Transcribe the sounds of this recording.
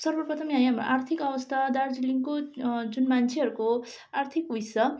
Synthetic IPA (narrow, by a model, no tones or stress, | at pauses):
sʌrbʌrpʌt̪ʰʌmiɦaj̃ɦamro̰ʔart̪ʰikʌbʌst̪ʰad̪aɾd͡ziliŋkod͡zunmant͡sʰeɦʌɾuko | art̪ʰikuisʌ